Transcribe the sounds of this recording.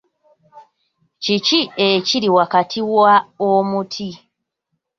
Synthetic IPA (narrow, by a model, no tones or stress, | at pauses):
cicieciɾiwakatʰiwaomutʰi